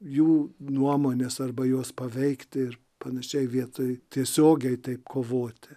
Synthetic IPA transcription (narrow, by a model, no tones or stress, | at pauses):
juːnuɔmoːnʲesɐrbɐjoːspɐʋʲɛɪkt̪ʲɪɪr | pɐnɐʃʲɛɪʋʲiɛt̪oːjt̪ʲiɛsʲoːɡʲɛɪt̪ɐɪpkʰoːʋoːt̪ʲɪ